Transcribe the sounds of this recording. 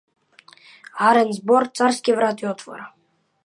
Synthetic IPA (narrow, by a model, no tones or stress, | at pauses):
haɾɛnzbɔɾt̪saɾskivɾat̪ʰʼiɔt̪ʰvɔ̰ɾa